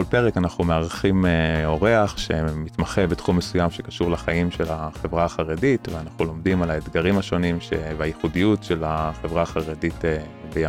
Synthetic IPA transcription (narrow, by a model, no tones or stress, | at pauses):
olpe̞ʁekanaχumeaʁaχimeo̞ʁeaχʃe̞mit̪maχebetχumːesujamʃe̞kaʃuʁlaχaimʃelaχe̞vʁaːχaʁeditveanaχulo̞md̪imalaed̪ɡaʁimhaʃo̞nimʃevajiχudijutʃe̞laχe̞vʁaaχaʁeditebeja